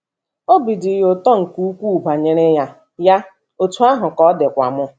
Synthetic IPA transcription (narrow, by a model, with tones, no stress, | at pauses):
o˦bi˨dɪ˨jo˨tɔ˦ŋ̩˨ku˦u˦kʷu˦˨ba˨ɲe˦ɾe˦ja˦ | ja˦ | o˨tu˦a˦ɦʊ˨kɔ˦dɪ˨kʷa̰˨mʊ˦